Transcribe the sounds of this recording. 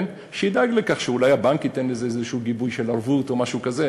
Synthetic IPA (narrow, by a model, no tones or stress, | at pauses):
n | ʃeid̪aɡlekaχʃeulajabaŋkitenlezeezeʃuuːɡibujʃelaʁvuto̞maʃukaze